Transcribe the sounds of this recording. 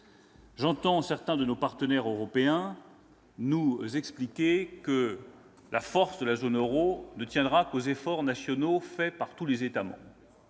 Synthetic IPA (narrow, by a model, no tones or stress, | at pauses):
ʒɑ̃t̪ɑ̃sɛʁt̪ɛ̃d̪ənopaʁt̪ənɛʁøʁɔpeɛ̃ | nuzɛksplikʲekə | lafɔʁsd̪əlazonøʁonət̪jɛ̃d̪ʁakozefɔʁnasjɔnofɛpaʁt̪ulezet̪amɑ̰̃bʁʁ